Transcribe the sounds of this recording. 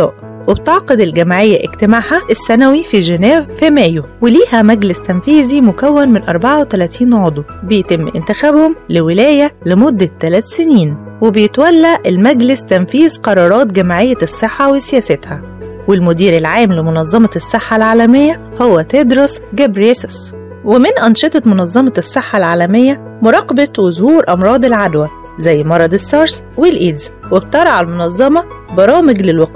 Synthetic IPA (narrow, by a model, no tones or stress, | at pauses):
ɑ̰ːʔ | web̚t̪eʕqed̪elɡæmaʕejːæʔḛkt̪ɪmaʕħæʔesːænæwifiʒænæːvfimæːjoweliːhæmæɡlɪst̪ænfiːzimʊkæwːænmenʔɑɾˤbaʕawet̪ælæt̪ʰiːnʕod̪ˤubejt̪ɪmːʔɪ̰nt̪ɪxæbhomlewɪlæːjælemod̪ːæt̪ːælæːt̪seniːnwebejet̪wælːaʔelmæɡlɪst̪ænfiːzqɑɾˤɑːɾˤɑːt̪ɡæmaʕejːæsˤːeħːawesɪjæːsæt̪hæ | wɪlmʊd̪iːɾɪlʕaːmlɪmʊnɑzˤːɑmɑsːeħːalʕaːlæmejːæ | howːæt̪ed̪ɾosɡæbɾesos | wɪmɪnʔɑnʃet̪ˤɑmʊnɑzˤːɑmɑsːeħːalʕaːlæmejːæ | mʊɾˤɑqːbɑt̪wʊzhuːɾʔɑmɾˤɑːd̪ˤelʕad̪wæ | zæjːmɑɾˤɑd̪esːɑːɾˤs | welʔiːd̪zweb̚t̪ɑɾˤɑʕalmonɑzˤːɑmɑ | bɑɾˤɑːmɪɡlɪlwɑqː